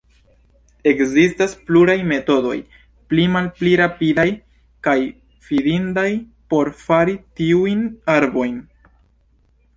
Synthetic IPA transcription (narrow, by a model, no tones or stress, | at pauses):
e̞kzistaspluɾajme̞to̞do̞̰j | plimalpliɾapidaj | kaj | fidindaj | po̞ɾfaɾitiujnaɾbo̞jn